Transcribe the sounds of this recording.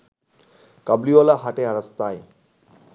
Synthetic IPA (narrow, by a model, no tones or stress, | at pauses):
kabliolaɦaʈeaɾast̪aj